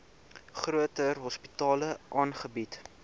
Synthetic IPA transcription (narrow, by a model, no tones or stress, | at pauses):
χruətərɦɔspitɑːləʔɑːnχəbit